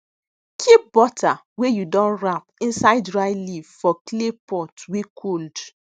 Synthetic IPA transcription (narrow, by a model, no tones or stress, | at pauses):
kʰip̚bɔta | wejudɔ̃nɹapĩnsaɪdɹaɪlivfɔklepɔtwekʰold